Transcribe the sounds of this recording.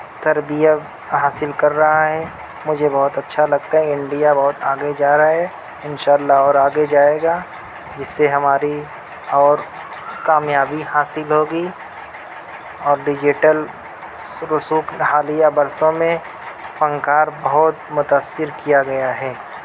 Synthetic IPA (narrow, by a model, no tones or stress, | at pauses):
t̪ɐɾbijə | ɦaːsɪlkɐɾːɐɦaɦɛ | mʊd͡ʒʱebɐɦʊt̪ɐtːʃʰalɐɡt̪aɦɛɪ̃ɳɖijabɐɦʊt̪aːɡed͡ʒaːɾaaɦɛ | ɪnʃaːlːaɔːɾaːɡed͡ʒaːeːɡa | d͡ʒɪsːeɦɐmaːɾi | ɔːɾ | kaːmjaːbihaːsɪlɦoːɡi | ɔːɾɖɪd͡ʒɪʈəl | ɾʊsuːkhaːlijabɐɾsõmẽ | pɐ̃ŋkaːɾbɐɦʊt̪mʊt̪aːsːɪɾkijaɡɐjaɦɛː